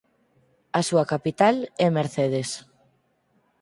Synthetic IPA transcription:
asuakapit̪alɛmeɾθeðes

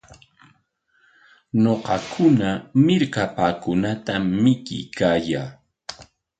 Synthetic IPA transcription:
noqɑkʰʊnamɪɾkapaːkʊnat̪amːɪkɪ̰jkaːjaː

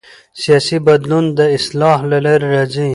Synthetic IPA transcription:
sijɑːsibɐd̪lund̪əɪslɑːɦlɐleɾːɐzĩ

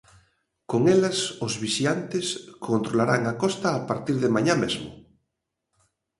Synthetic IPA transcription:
koŋɛlasʊzβisiant̪ɪskʰont̪ɾolaɾaŋakɔst̪ɐːpaɾt̪iɾðɪmaɲamezmʊ̰

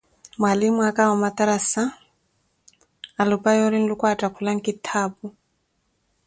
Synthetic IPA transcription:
mwalimuakaɔmat̪aɾasa | alupajɔɾin̩lukwatʼakʰulaŋ̩kit̪ʰaːbu

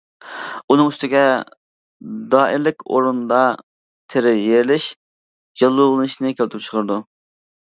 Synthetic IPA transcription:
unɨŋyst̪ɪɡʲɛ | d̪ɑːʔiɾlɪkʲo̰ɾund̪ɑ | t̪ʰeɾɪjeɾlɪʃ | d͡ʒɑlˠːulˠɨnɨʃnɨkʲelt̪ʰɪp̚t͡ʃʰqʰəɾd̪u

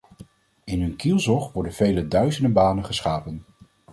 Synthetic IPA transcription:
ɪnɦɵnkilˠzɔχʋɔɹdənv̥ejlədœɥzəndəbaːnənχəsχaːpən

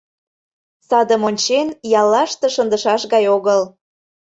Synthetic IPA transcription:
sɑd̪əmonʲt͡ɕenjɑlːɑʃt̪ɤ̆ʃənd̪əʃɑʃɣɑjoɣəl

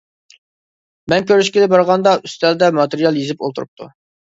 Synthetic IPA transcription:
mɛnkʲʰøɾyʃkʲilɪbɑɾʁɑnd̪ɑʔyst̪ɛld̪ɛmɑt̪eɾijɑlˠjezɪpo̰lˠt̪ʰuɾṵp̚t̪ʰṵ

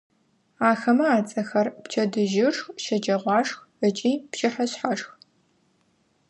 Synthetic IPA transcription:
aːxɐmɐaːt͡sʼɐxɐrpt͡ʃʰɐdɨʒɪʂxʃɐd͡ʒʼɐʁʷɑːʂx | ət͡ʃʼiːpʃɪħɐɕħaʂx

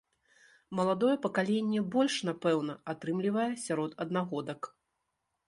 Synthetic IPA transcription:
mɐlˠad̪ɔjɛpɐkalʲenʲːɛbɔlʲʂnapɛwnɐat̪ɾɨmlʲivɐjɛsʲaɾɔt̪ɐd̪naɣɔd̪ɐk

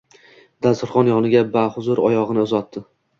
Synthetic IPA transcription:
d̪asʊɾχɒnjɒnɪɡʲabahʊzʊɾɒjɒʁɨnɪʊzɒt̪ːɪ

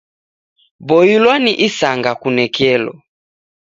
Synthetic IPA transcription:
bɔjilwaniʔisaŋɡakunɛkʰɛlɔ̰

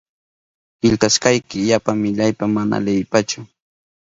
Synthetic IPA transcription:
pɪʎt̪askajkɪjapaŋmɪʎajpamana̰lejpat͡ʃʊ

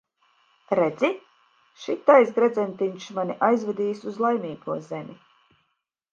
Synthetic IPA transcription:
ɾɛd̪zi | ʃit̪ajsɡɾɛd̪zʲɛnt̪iɲʃmanʲiʔajzvɛd̪iːsuzlˠajmʲiːɡuɔzɛmʲi

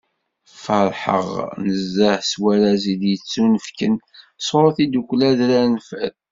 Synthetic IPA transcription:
fəɾˤħə̰ʁnəzːəħswæɾæziðjət͡sːunəfkən | sˤoɾˤθid̪uklæðɾænfæθ

